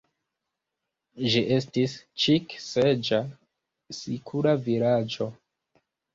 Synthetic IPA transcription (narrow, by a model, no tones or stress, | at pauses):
ʒiʔe̞stist͡ʃiksed͡ʒa | sikʰuɾavilad͡ʒo̞